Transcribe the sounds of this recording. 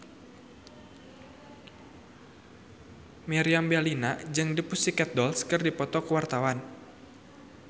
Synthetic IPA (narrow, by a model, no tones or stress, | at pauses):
mɛɾiambɛlinad͡ʒɨŋdipusikɛt̪̚dɔlskɨrdipɔt̪ɔkəwart̪awan